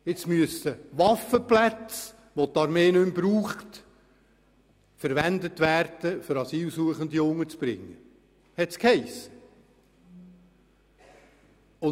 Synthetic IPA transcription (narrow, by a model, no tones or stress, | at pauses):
ɪt͡smyəst̪əʋɑfəplæt͡s | ʋot̪ɑɾmeːnɵmb̥ɾuːχt | fəɾʋænd̪ətʋæːrd̥əfʏɾɑsiːlsuəχənd̪iʊŋːət͡sb̥ɾɪ̰ŋːə | hɛt̪skhɛɪs | ʊ